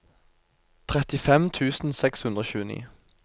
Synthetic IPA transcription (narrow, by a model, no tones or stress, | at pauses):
t̪ʰʁɛt̪ɪfɛmt̪ʰʉːsn̩sɛkshʉnd̪ʁəçʉːənḭː